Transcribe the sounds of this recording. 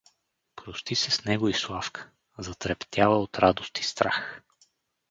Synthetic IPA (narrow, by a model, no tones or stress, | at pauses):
pɾost̪isɛsnɛɡoislˠafkʰə̥ | zɐt̪ɾɛpt̪ʲjavəot̪ɾad̪ost̪i̥st̪ɾax